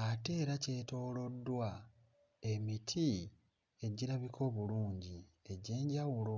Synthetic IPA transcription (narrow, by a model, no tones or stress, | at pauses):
ate̞ːɾace̞to̞ːlo̞dːwa | e̞mitʰi | e̞ɟiɾaβikʰo̞ːβuluːɲɟi | e̞ɟe̞ːɲɟawulo